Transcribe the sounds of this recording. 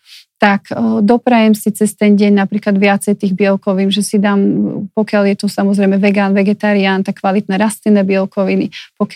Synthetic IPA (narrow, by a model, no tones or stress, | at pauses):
t̪akd̪ɔpɾajɛmsit͡sɛst̪ɛnɟɛɲnapɾiːklad̪ʋɪat͡sɛjt̪iːɣbɪɛlkɔʋinʒɛsid̪aːmpɔkɪaljɛt̪usamɔzɾɛjmɛʋɛɡaːnʋɛɡɛt̪aɾiaːnt̪akːʋalit̪̚nɛɾast̪inɛːbɪɛlkɔʋinipɔk